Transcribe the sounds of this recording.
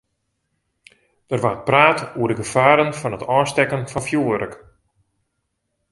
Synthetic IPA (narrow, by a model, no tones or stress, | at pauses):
d̥ərʋaət̚praːtuərdəɡəfaːɾənfɔnətɔːstɛkənfɑnfjuːəɾək